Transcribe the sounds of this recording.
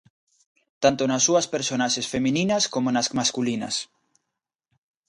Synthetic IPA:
t̪ant̪onasːuɐspeɾsonaʃesfemĩninɐskomonasmaskulinɐ̰s

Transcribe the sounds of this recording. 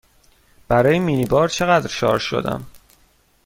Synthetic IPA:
b̥æɾɒːjemiːnibɒːɾt͡ʃʰeɣæd̪ɾʃɒ̰ːɾʃo̞̰d̪æ̰m

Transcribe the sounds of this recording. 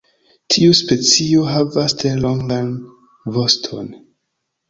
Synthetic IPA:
tʰiuspe̞t͡sio̞ɦavastɾe̞lo̞ŋɡan | vo̞stʰo̞̰n

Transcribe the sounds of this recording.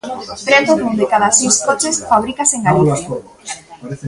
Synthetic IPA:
pɾet̪oðund̪ekaðasejskot͡ʃesfaβɾikaseŋɡaliθja

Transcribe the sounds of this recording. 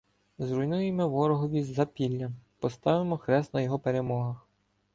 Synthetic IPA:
zɾʊjnujemɛʋɔɾɔɦɔʋʲizzːɐpʲilʲːɐpɔst̪ɑʋɪmɔxɾɛst̪nɐjɔɦɔpeɾemɔɦɐx

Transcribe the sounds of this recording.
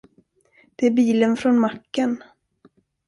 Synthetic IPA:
d̪̥ɛæɾbiːlənfɾɔnmakːən

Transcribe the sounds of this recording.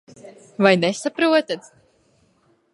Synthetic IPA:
vajnesapɾuɔt̪at̪

